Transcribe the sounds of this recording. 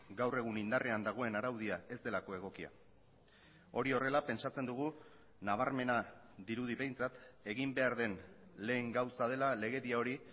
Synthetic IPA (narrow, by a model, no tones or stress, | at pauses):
ɡawre̞ɣ̞unind̪arʔeand̪aɣ̞o̞e̞naɾawðiae̞zd̪e̞lako̞e̞ɣ̞o̞kia̰ | o̞ɾio̞re̞lape̞nt͡ʃat͡se̞nd̪uɣ̞u | naβ̞aɾme̞na | ðiɾuð̞iβe̞jnt͡sat̪e̞ɣimbe̞aɾðe̞nle̞ːŋɡawsað̞e̞lale̞ɣ̞eðiao̞ɾi